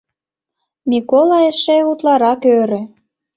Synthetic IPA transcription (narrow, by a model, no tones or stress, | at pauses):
mʲikolˠɑeʃeut̪lɑɾɑkøɾø̆